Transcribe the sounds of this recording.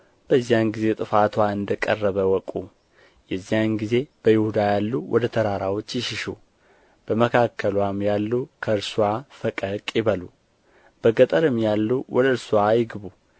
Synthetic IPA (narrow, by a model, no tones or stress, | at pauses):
b̥əzːijanɡize̞t̪ʼɨfat̪waɨnd̪əkʼə̰rːəβəwɔkʼu | jɛzːijanɡize̞b̥əjɪhud̪ajalːuwʔɔ̰d̪ət̪ʰəɾaɾawo̞t͡ʃːjɪʃɪʃu | b̥əməkʰakʰːəlwamjalːukʰəɨɾsuwafəkʼəkʼjɪβəlu | b̥əɡət̪ʼəɾɨmjalːuwɔd̪əɨɾsuwajɪɡɨβu